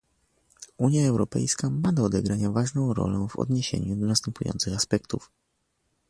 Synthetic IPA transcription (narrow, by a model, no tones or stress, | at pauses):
uɲjaɛwɾɔpɛ̰jskamad̪ɔːd̪ɛɡɾaɲavaʐnɔ̃w̃ɾɔ̰lɛw̃vɔ̰d̪ɲeɕḛɲud̪ɔnast̪ɛmpujɔ̰nt̪sɘxaspɛkt̪uf